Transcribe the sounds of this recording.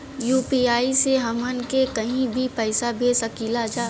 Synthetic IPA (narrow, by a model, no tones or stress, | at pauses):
juːpiːaːiseɦɐmənkekɐɦĩbʱipɛːɪsabʱeːsɐkiːlad͡ʒaː